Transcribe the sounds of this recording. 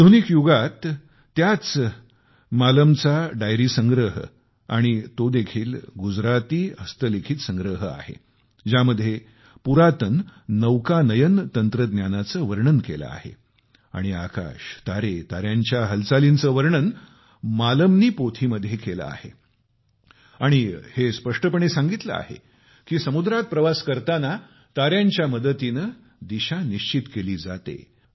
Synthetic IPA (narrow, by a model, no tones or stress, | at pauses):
d̪ʱonikjuɡat̪ː | jat͡s | maləmt͡saɖajɾiːsə̃ŋɡɾəɦə̰ | aɽ̃it̪od̪ekʰiːlɡud͡zɾat̪iːəst̪əlekʰiːt̪sə̃ŋɡɾəɦəa̰hḛ | d͡ʑaməd̪ʱːje | puɾat̪ənːəʋkanəjənt̪ənt̪ɾəd̪njanat͡səːʋəɾɳənkela̰a̰hḛ | a̰ɽ̃ia̰ka̰ɕt̪aɾet̪aɾjaɲt͡ɕjaɦəlt͡salint͡səːʋəɾɳən | maləmniːpot̪ʰiməd̪ʱːjekela̰a̰hḛ | aɽ̃ihespəʂʈəpəɳ̃esãŋɡit̪lə̰a̰hḛ | kiːsəmud̪ɾat̪̚pɾəʋaskəɾt̪ana | t̪aɾjaɲt͡ɕjaməd̪ət̪inə | d̪iɕaniɕt͡ɕit̪keliːd͡zat̪ḛ